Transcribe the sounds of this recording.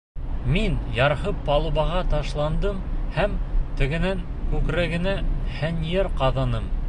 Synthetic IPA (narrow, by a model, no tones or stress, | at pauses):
minjɑɾhɤpːɑlˠuβɑʁɑt̪ɑʃlˠɑnd̪ɤmhæmt̪ɘ̆ɡɘ̆næŋ | kʉkɾæɡɘ̆næhænjeɾqɑðɑnɤm